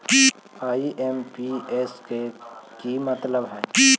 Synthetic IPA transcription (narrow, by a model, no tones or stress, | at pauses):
aːiʔeːmpieːskekimɐt̪ləbɦɛː